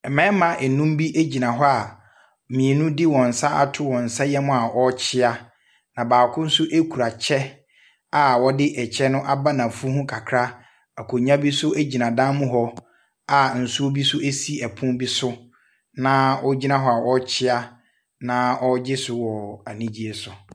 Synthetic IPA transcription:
ɛ˨mɛ̃ː˦mã˨ʔɛ˨nũ˦mbi˦ʔe˦d͡ʑi˨nã˨ɦɔ˦a˨ | mĩ˨e˨nũ˦di˦wɔ̃˨n̩˨sa˦ʔa̰˨tʰʊ˦wɔ̃˨n̩˨sa˦jɛ˦mʊ̃˦a˨ʔɔ˦t͡ɕʰɪ˦a˦ | nã˨baː˨kʰʊ̃˦n̩˦sʊ˦ʔe˦kʰu˨ɾa˨t͡ɕʰɛ˦ | a˨wɔ˦dɪ˦ʔɛ˨t͡ɕʰɛ˦nʊ̃˦ʔa˨ba˦nã˨fu˦hʊ̃˦kʰa˨kʰɾa˦ | a˨kʰo˨ɲã˦bi˦sʊ˦æ˦d͡ʑi˨nã˨dã˦mʊ̃˦ɦɔ˦ | a˨n̩˨su˦o˦bi˦sʊ˦e˦si˦ɛ˨pʰʊ̃˦nbi˦sʊ˦ | nã˦ɔ˦d͡ʑi˦nã˦ɦɔ˦a˨ʔɔ˦t͡ɕʰɪ˦a˦ | nã˦ʔɔ˦d͡ʑɪ˦sʊ˨wɔ˨a˨nĩ˦d͡ʑi˦ɛ˨sʊ˨

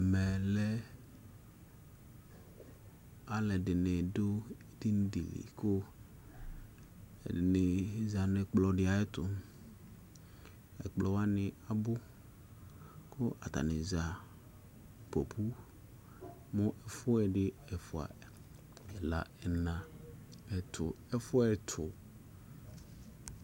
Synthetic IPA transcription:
mɛ˨lɛ˦ | a˨lɛ˨dɪ˨ne˨do˦e˦t̪i˦n˦dḭ˨lḭ˨kʊ˦ | ɛ˨ɪ˨ne˨za˨ne˨k͡plɔ˨ɖɪ˦a˨ɛ˦t̪ʊ˨ | ɛ̰˨k͡plɔ˨wa˦nɪ˨a˨bʊ˦ | kʊ˦ʔa̰˨t̪a̰˨nɪ˨za˨ | po˨pʰu˦ | mʊ̃˦ʔɛ˨fʊ˦ɛ˨ɖɪ˦ɛ˨fʊ˨a̰˨ | ɛ˨la̰˨ɛ˨nã˨ɛ˨t̪ʰʊ˨ | ɛ˦fʊ˦ɛ˨t̪ʰʊ˨

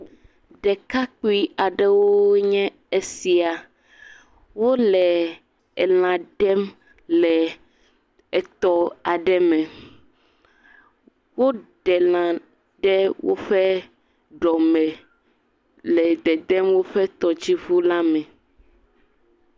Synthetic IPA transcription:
ɖɛ˨ka˦k͡pu˦i˦a˨ɖɛ˦wo˦ɲɛ̃˦ | e˦si˨a˨ | wo˦lɛ˨ | e˨l̃ã˨ɖɛ˦m | lɛ˨ | ɛ˨t̪ɔ˦a˨ɖɛ˦mɛ̃˨ | wo˦ɖɛ˨l̃ã˨ | ɖɛ˦wo̰˦ɸɛ˦ | ɖɔ˨mɛ˨ | lɛ˨d̪ɛ˨d̪ɛ˦mwo˦ɸɛ˦t̪ɔ˨d͡ʑi˦vu˦la˦mɛ̃˨

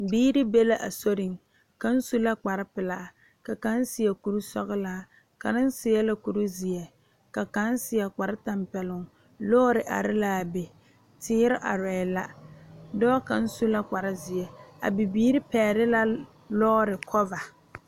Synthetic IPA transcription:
biː˦ɾɪ˦be˦la˨ʔa̰˨so˦ɾɪ˨ŋ | ka˦n̩˦su˦la˦k͡pa˨ɾɪ˦pɪ˨la˦˨ | ka˨ka˦n˦sɪ˨ɛ˨ku˨ɾu˦sɔ̰˦ɣɪ˦laː˨˦ | ka˨nɪ˦n˦sɪ˨ɛ˦la˨ku˨ɾu˦zɪ˨ɛ˨ | ka˨ka˦n˦sɪ˨ɛ˨k͡pa˨ɾɪ˦ta˨mpɛ˨lʊ˨ŋ | lɔː˦ɾɪ˨ʔa̰˨ɾɪ˦la˦˨be˨ | tʰɪː˦ɾɪ˦ʔa˨ɾɛː˨la˦dɔː˦ka˨n̩˦su˦la˦k͡pa˨ɾɪ˦zɪ˨ɛ˨a̰˨bi˨biː˦ɾɪ˦pɛː˨ɾɪ˦la˦ | lɔː˦ɾɪ˨kʰɔ˦va˨

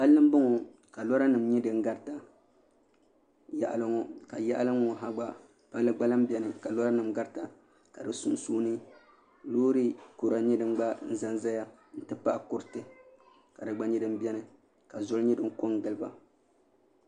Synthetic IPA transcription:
ba˦lːɨ˦m˦bɨ˦ŋɔ˨ | ka˨lɔ˦ɾa˦nɨ˨mɲɛ˦dɨ˦˨ŋ˦ɡa˦ɾta˨ | ja˨ʔa̰˨lɨ˦ŋɔ˦ka˨ja˦ʔa̰˦lɨ˦ŋɔ˨ɦa˦ɡ͡ba˦ | pa˦lːɨ˦ɡ͡ba˦la˦m˦bɛ˦nɨ˨ka˨lɔ˦ɾa˦nɨ˨mɡa˦ɾta˨ | ka˨dɨ˨su˦nsuː˦nɨ˦ | loː˦ɾi˦ko˨ɾa˨ɲɛ˦dɨ˨˦m˦ɡ͡ba˦n̩˦za˦nza˦ja˦ | n̩˦tɨ˦pa˦ʔkʊ˦ɾtɨ˨ | ka˨dɨ˨ɡ͡ba˦ɲɛ˦dɨ˦m˦bɛ˦nɨ˨ | ka˨zo˦lɲɛ˦dɨ˦ŋ˦ko˦ŋɡɨ˨lɨ˦ba˨

